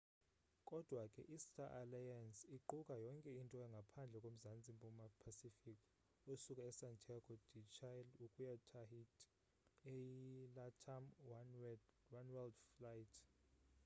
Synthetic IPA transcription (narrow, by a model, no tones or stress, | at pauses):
kʼɔd̥ʱwakʼɛ̰ʔistʰʼaʔalajansiǃukʼajɔŋkʼɛintʼɔaŋɡʱapʰand͡ɮʱɛkʼom̩zant͡sʼimpʼumapʰasifikʼ | usukʼaɛsantʰaɡ̥ɔd̥ʱit͡ʃʰajlukʼujatʰahitʰʼ | ejilatʰam | wanwɛldflajtʰ